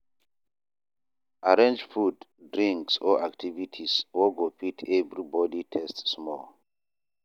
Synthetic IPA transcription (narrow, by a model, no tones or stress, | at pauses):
ʔaɹẽnd͡ʒfuddɹĩŋksɔ̰ʔaktʰivitʰiswɔɡofitʰɛvɹibɔditʰɛstsmɔl